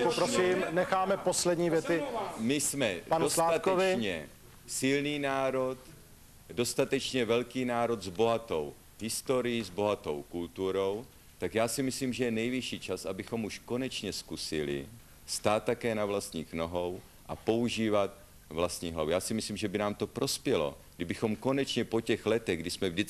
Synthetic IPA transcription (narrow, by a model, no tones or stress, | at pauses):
popɾoiːmnɛxaːmɛposlɛd̪ɲiːvjɛt̪ɪmɪsmɛdpanoslaːatk̪ɛovɪɲɛ | sɪlniːnaːɾo̞t̪ | do̞st̪at̪ɛt͡ʃɲɛvɛlkiːnaːɾo̞d̪zbo̞ɦat̪o̞w | ɦɪst̪o̞ɾɪjizbo̞ɦat̪o̞̰wkult̪uɾo̞w | t̪akjaːsɪmɪsliːmʒɛjɛnɛjviʃiːt͡ʃasʔabɪxo̞muʃko̞nɛt͡ʃɲɛskusɪlɪ̰ | st̪aːt̪̚ːakɛːnavlast̪ɲiːxno̞ɦow | ʔa̰po̞uʒiːvat̪̚ | vlast̪ɲiːɦlavujaːsɪmɪsliːmʒɛbɪnaːmt̪o̞pɾʔo̞spjɛlo̞̰ɡdɪbɪxo̞mko̞nɛt͡ʃɲɛpocɛɣlɛt̪ɛɣɡdɪsmɛvdɪt͡s